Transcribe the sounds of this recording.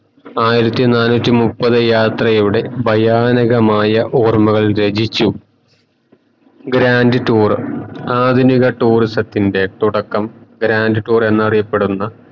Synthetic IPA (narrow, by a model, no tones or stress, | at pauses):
aːjiɾɐt̪ːinaːnuːtʲːimupːɐðɨjaːt̪rɐjiuɽe̞bʱɐjaːnɐɣɐmaːjɐʔoːrmuɣɐɭɾe̞d͡ʑit͡ɕːu | ɡɾaːndɨʈuːraːd̪ʱuniɣɐʈːuːristɐt̪ːinde̞t̪uɽɐkːɐmɡɾaːndɨʈuːre̞nːɐrijɐpːe̞ɽunːɐ